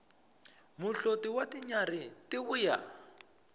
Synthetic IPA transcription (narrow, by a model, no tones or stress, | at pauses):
muɬotiwatiɲaɾitiβuja̰